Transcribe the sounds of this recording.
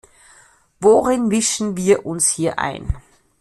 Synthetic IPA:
voʁɪnvɪʃn̩viːɐʔʊnshiːɐʔa̰ɪn

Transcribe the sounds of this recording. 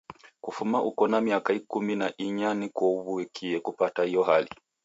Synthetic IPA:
kufumaʔukɔnamiakaikuminaʔiɲanikɔuβuɛkʰiɛkupataijɔhali

